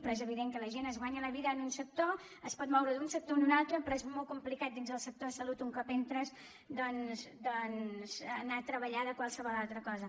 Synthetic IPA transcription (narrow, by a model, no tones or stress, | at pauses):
pɾɔezəβ̞iðeŋkələʒenəzɣwaɲələβiðəːnunsək̚t̪o | əspɔt̪mɔwɾəðunsək̚t̪onunalˠt̪ɾəpɾɔezmɔlˠkumplikat̪̚d̪inzðəlˠsək̚t̪oəsəlut̪uŋkɔpent̪ɾəz | d̪ɔnzd̪ɔnz̥ənat̪ɾəβəʎaðəkwalˠsəβɔlˠalˠt̪ɾəkɔzə